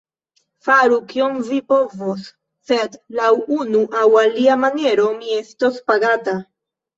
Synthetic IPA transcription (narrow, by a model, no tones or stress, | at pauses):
faɾukjonvipovosː | et̪lawunuʔawaliamaneɾomiɛst̪ospaɡat̪a